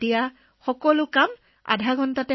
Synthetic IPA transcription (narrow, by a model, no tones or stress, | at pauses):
tija | xɔkɔlʊkam | a̰dʱaɡʱɔntatɛ